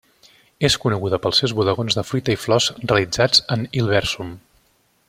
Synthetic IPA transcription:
eskunəɣuðəpəlˠsɛwzβuðəɣonzðəfɾit̪əiflɔzreəlˠid͡zad͡zənilˠβɛɾsum

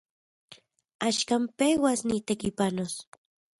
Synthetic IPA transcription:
aʃkampewasnit̪ekipanos

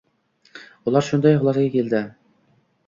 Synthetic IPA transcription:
ulˠɑɾʃund̪ɑjɦʊlˠɑɾɡʲɛkʲʰeld̪ɪ

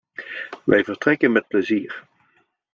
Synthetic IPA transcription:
ʋɛ̰jvəɹtrɛkənmɛt̚pləziːɹ

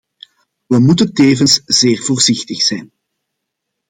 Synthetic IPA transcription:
ʋəmutənteːvənsz̥eːrvoːrzɪxtəxsɛjn

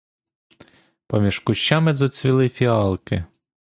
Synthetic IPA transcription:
pɔmʲiʃkʊʃːɑmɪzɔt͡sʲʋʲilˠɪfʲiɑlˠkɪ

